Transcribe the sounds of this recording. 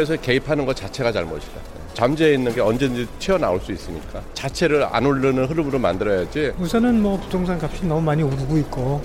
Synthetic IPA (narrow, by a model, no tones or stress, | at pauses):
es̬ʰʌke̞ipʰanɯnɡʌt͡ɕat͡ɕʰe̞ɡat͡ɕaɭmʌɕʰi̥d̥a̰ | t͡ɕamd͡ʑeeinːɯnɡe̞ʌnd͡ʑend͡ʑit͡ɕʰiʌna̰oɭs͈uis͈ɯɲik͈at͡ɕat͡ɕʰe̞ɾɯɾa̰noɭːɯnɯnɦɯɾɯmɯɾomandɯɾʌjad͡ʑimusʰʌnɯnmwʌpu̥tʰoŋsʰaŋkap̚ɕ͈inʌmumaɲioɾuɡoit̚k͈o